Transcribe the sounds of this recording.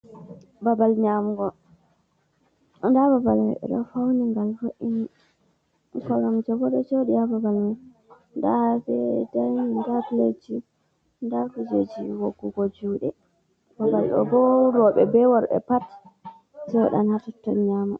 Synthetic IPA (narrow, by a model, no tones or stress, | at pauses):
babalɲamuɡɔ | ndababal̰ɗɛ̰ɗɔ̰fawniŋɡalfoʔini | kɔɾɔmd͡ʒabɔɗɔd͡ʒoɗiababalŋɔ | ndahfɛdajndafled͡ʒi | ndakud͡ʒed͡ʒiwoɡːuɡɔd͡ʒuːɗɛ | b̥abalɗɔ̰bɔɾɔɓɛbɛwɔɾɓɛ̰pat | sɛwa̰ɗa̰natɔtːɔnɲamu